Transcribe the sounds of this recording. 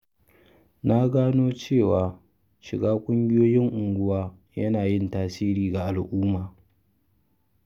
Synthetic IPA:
na˦ɡaː˦noː˦t͡ʃeː˦˨waː˨ | ʃɪ˨ɡaː˦kʷʼʊ˦ŋɡʲɪ˦joː˦jɪ˦ŋʔʊ˨ŋɡʷʊ˦waː˦ | jɐ˦naː˨jɪ˦˨ntaː˦siː˦ɾiː˨ɡa˨ʔa˨lʔʊː˦maː˨

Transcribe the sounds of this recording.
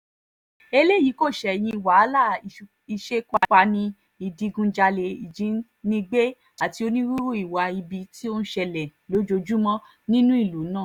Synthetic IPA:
e˧le˦ji˨˦ko˦˨ʃɛ˨j̃ĩ˧˨wa˨˦la˦˨ | i˧ʃe˦kʷa˧ka˧nĩ˧ | i˨di˧ɡũ˧d͡ʒa˧le˧i˨d͡ʒĩ˨˦ | nĩ˧ɡ͡be˦ | a˦˨ti˧o˧nĩ˦ɾu˦ɾu˦i˦˨wa˧i˧bi˧ti˦o˦ñ̩˦ʃɛ˧lɛ˨lo˨˦d͡ʒo˧d͡ʒu˦mɔ̃˦ | nĩ˦nũ˦i˦˨lu˨˦nãː˦˨

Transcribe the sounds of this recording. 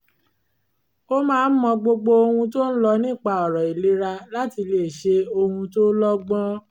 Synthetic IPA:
o˦mãː˦˧n̩˦mɔ̃˧ɡ͡bo˧ɡ͡bo˧o˧hũ˧to˦n̩˦lɔ˧nĩ˦˨k͡pa˧ɔ˨ɾɔ˨i˨le˨˦ɾa˧la˦ti˧le˨ʃe˧o˧hũ˧to˦lɔ˦ɡ͡bɔ̃˦

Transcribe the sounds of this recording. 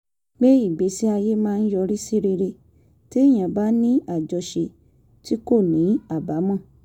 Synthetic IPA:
ɡ͡be˦i˦˨ɡ͡be˨˦si˦a˧je˦mãː˦˧n̩˦jɔ˧ɾi˦si˦ɾi˧ɾe˧ | ti˦˨j̃ã˨ba˦nĩ˦a˦˨d͡ʒɔ˧ʃe˧ | ti˦ko˦˨nĩ˨˦a˦˨ba˨˦mɔ̃˦˨

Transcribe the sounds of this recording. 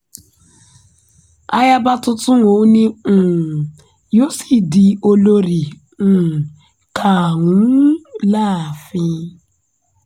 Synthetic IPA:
a˦ja˦ba˦tʊ˦tʊ˦ŋo˨˦ni˦ŋ̩˨ | jo˦si˦di˨o˦lo˦ɾi˨ | kʰa˨ŋu˨˦laː˦˨fi˦

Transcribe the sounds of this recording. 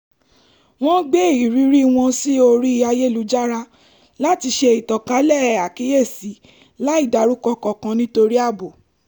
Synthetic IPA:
w̃ɔ̃˦ɡ͡be˦˨i˨ɾi˨˦ɾi˦w̃ɔ̃˧si˦o˧ɾi˦i˧a˧je˦˨lu˨˦d͡ʒa˦ɾa˧ | la˦ti˧ʃe˧i˨tɔ˨ka˨˦lɛ˦˨a˨ki˨˦je˦˨si˨˦ | la˦i˦˨da˨˧ɾu˦kɔ˧kɔ˨kã˧nĩ˦to˧ɾi˦a˦˨bo˨

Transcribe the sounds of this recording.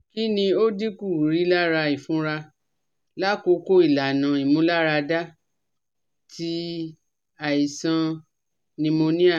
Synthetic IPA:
ki˦nĩ˧o˦di˦ku˦˨ɾi˨˦la˦ɾa˧i˨fũ˨˦ɾa˧ | la˦ko˧ko˦i˦˨la˨nã˨i˨mũ˨˦la˦ɾa˧da˦ | tʰi˦ | a˨i˨sã˧ | nĩ˧mo˧nĩ˦a˦˨

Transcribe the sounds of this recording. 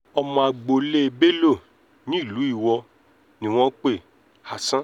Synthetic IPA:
ɔ˧mɔ̃˧a˨ɡ͡bo˨le˦e˧be˦lo˦˨ | nĩ˦i˦˨lu˨˦i˦˨wɔ˧ | nĩ˨w̃ɔ̃˦k͡pe˦˨ | ha˨sã˦

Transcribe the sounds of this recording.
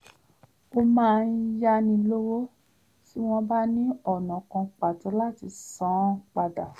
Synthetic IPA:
o˧mãː˦˧n̩˦ja˦˧nĩ˧lo˦wo˦ | ti˦w̃ɔ̃˦ba˦nĩ˦ɔ˦˨nɔ̃˨kɔ̃˧k͡pa˨tɔ˨˧˦la˦˨ti˧sã˨˦k͡pa˨da˨

